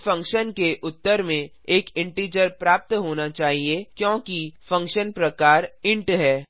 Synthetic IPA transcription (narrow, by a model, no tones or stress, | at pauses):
fɐ̃ŋkʃənkeʔʊt̪ːəɾmẽ | eːkɪ̃ɳʈiːd͡ʒəɾpɾaːp̚t̪ɦoːnat͡ʃaːɦiekjõːkifɐ̃ŋkʃənpɾɐkaːɾɪ̃ɳʈɦɛː